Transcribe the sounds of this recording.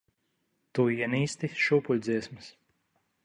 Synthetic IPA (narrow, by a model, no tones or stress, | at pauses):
t̪uiɛniːst̪iʃupulʲd̪ziɛsmɨs